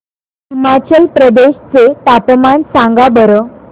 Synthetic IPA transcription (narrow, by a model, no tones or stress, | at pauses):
ɦimat͡ɕəlpɾəd̪eɕt͡set̪apmansãŋɡabəɾə